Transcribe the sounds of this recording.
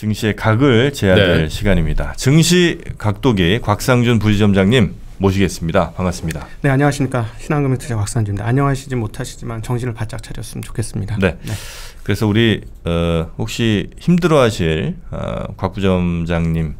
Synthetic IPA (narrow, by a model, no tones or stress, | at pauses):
t͡ɕɯŋɕʰie̞kaɡɯɭt͡ɕe̞adɯɭɕʰiɡaɲimɲidat͡ɕɯŋɕʰikak̚t͈oɡikwak̚s͈aŋd͡ʑunp̬ud͡ʑid͡ʑʌmd͡ʑaŋɲimː | oɕ̬ʰiɡe̞s͈ɯmɲidapaŋas͈ɯmɲidane̞aɲʌŋaɕʰimɲik͈aɕʰinaŋɡɯmitʰɯɕʰakwak̚s͈aŋd͡ʑindaaɲʌŋɦaɕʰid͡ʑimotʰaɕʰi̥d͡ʑimant͡ɕʌŋɕʰinɯɭpat͡ɕ͈ak̚t͡ɕʰaɾjʌs͈ɯmt͡ɕo̥kʰe̞s͈ɯmɲidane̞ne | kɯɾe̞sʰʌuɾi | ʌhok̚ɕ͈içimdɯɾʌɦaɕʰiɭʌ̰kwak̚p͈ud͡ʑʌmd͡ʑaŋɲim